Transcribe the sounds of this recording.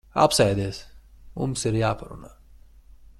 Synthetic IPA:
a̰psɛjd̪iːsmṵmsiɾjaːpaɾṵnaː

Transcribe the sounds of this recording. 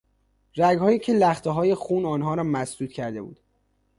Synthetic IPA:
ɾæɡhɒːjiːcʰelæxt̪ʰeɦɒːje̞xuːnɒːnɦɒːɾɒːmæsd̪uːt̪̚cʰæɾd̪e̞bṵːd̪̥

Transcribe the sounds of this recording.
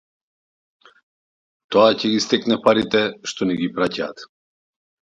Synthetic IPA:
t̪oacɛɡist̪ɛknɛpaɾit̪ɛʃt̪ɔniɡipɾacaːt̪

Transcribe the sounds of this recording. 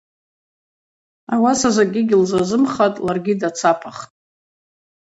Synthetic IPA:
awasazaɡʲɪɡʲilzazɨmχatʼlarɡʲidat͡sʰapʰaχtʼ

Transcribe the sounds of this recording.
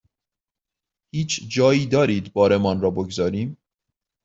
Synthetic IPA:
hiːt͡ʃʰd͡ʒɒːjiːd̪ɒːɾiːd̪bɒːɾemɒnɾɒːboɡzɒːɾiːm

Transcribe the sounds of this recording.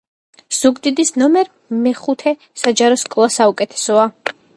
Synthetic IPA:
z̥uɡd̪id̪isnɔmɛɾ | mɛχut̪ʰɛ | sad͡ʒaɾɔskʼlˠasaukʼɛt̪ʰɛ̥sɔa

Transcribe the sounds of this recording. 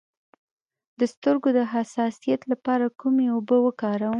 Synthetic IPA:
d̪̥əst̪əɾɡod̪əɦasɑsijat̪lapɑɾakumeobəwəkɑɾawə

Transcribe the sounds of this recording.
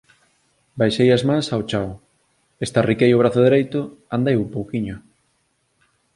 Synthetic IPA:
bajʃejazmãŋsawt͡ʃaw | est̪arikejʊβɾaθʊðeɾejt̪ʊand̪ejumpowkiɲʊ

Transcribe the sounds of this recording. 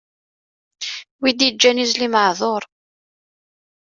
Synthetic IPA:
wid̪jd͡ʒːænizliməʕðˤoɾˤ

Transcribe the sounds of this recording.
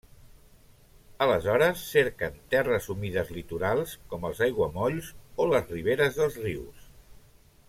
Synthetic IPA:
ələzɔɾəsːeɾkənt̪ɛrəzumiðəzlit̪uɾalˠskɔməlˠzajɣwəmɔʎzoləzriβeɾəzðəlˠzriws

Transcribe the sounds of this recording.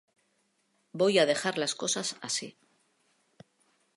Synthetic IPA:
bo̞jaðe̞xaɾlasko̞sasasi

